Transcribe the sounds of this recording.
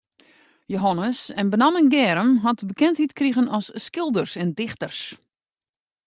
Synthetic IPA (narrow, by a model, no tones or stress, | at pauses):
joɦɔnəsɛnbənamənɡɛːɾəmɦɔtbəkɛnthitkriɣənɔsːkɪlˠdərsɛndɪxtərs